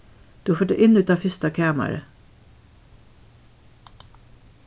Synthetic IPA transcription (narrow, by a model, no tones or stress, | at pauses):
d̪̥ʉːhɑføːʈæ̰ʔɪnʉːt̪ɑːfʏst̪ɑkʰæːmə̰ɾə̰